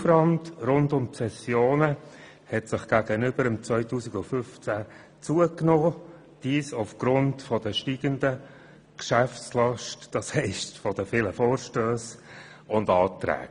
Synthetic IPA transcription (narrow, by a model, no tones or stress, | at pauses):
fəɾɑndrʊndʊmpsɛsjoːnə | hɛtsɪχɡ̥æːɡ̥ənʏb̥əɾəmt͡svœʏtuːsiɡʊnfʏft͡sæ | t͡suəknoː | d̥iːsuʊfɡ̥ɾʊntfɔd̥əʃtiːɡ̥əndə | kʃæft͡slɑʃtd̥ɑshɛɪstfɔd̥əfɪːləfoːɾʃtøːs | ʊndɑːtɾɛ̰ːk